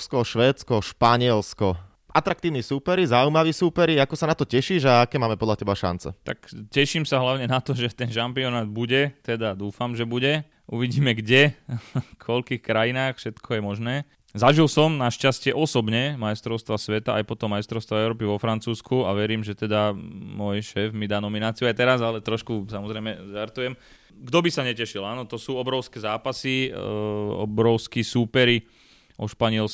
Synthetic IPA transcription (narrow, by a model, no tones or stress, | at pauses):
skɔʃʋɛːt͡skɔʃpaɲɪɛlskɔ | ʔat̪ɾak̚t̪iːʊnisuːpɛɾizaujmaʋiːsuːpɛɾiakɔsanat̪ɔcɛʃiːʒaakɛːmaːmɛpɔd̪lʎacɛbaʃa̰nt͡sɛ̰t̪akcɛʃiːmsaɦlaʊɲɛnat̪ɔʒɛt̪ɛnʃampiɔnaːd̪̚buɟɛt̪ɛd̪ad̪uːfamʒɛbuɟɛ | uʋiɟiːmɛɡɟɛ | kʰɔʎkiːxkɾajinaːxfʃɛt̪kʰɔjɛmɔʒnɛː | zaʒilsɔmnaʃcascɪɛʔɔsɔbɲɛmajst̪ɾɔʊst̪ʋasʋɛt̪aʔa̰jpɔt̪ɔmːajst̪ɾɔʊst̪ʋaɛʊɾɔːp̬iʋɔfɾant͡suːskʰuaʋɛɾiːmʒɛt̪ɛd̪amʊɔjʃɛːfmid̪aːnɔminaːt͡siuajt̪ɛɾazalɛt̪ɾɔʃkusamɔzɾɛjmɛt̪aɾt̪ujɛm | ɡd̪ɔbisaɲɛcɛʃilaːnɔt̪ɔsuːɔbɾɔʊskɛzaːpasi | ɔ̰bɾɔʊskisuːpɛɾi | ʔɔʃpaɲɛl